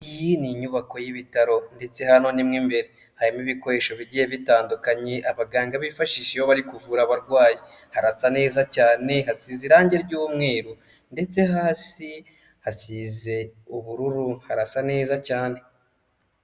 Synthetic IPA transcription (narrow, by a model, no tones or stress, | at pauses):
ijiniɲuβako̞jiβitaɾo̞nde̞t͡se̞hano̞nimŋimbe̞ɾe | haɾimiβiko̞ɾe̞ʃo̞βiɟije̞βitaːndukaɲeʔaβaɡaːŋɡaβifaʃiʃeoβaɾikuvuːɾaβaɾɡwaːjehaɾasane̞ːzacaːne̞ɦasiːziɾaːɲɟe̞ɾɟuːmŋe̞ːɾu | nde̞t͡se̞ɦaːsi | hasiːze̞uβuɾuɾuhaɾasane̞ːzacaːne̞